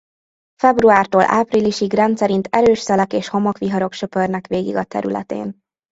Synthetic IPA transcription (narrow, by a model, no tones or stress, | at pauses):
fɛbruaːrt̪oːlʔa̰ːpriliʃiɡrɛnt̪sɛɾint̪ɛɾøːʃsɛlɛkeːʃho̞mɒkʋiɦɒɾo̞kʃø̞pørnɛkʋeːɡḭɡɒt̪ɛ̰ɾy̰lɛ̰t̪ḛːn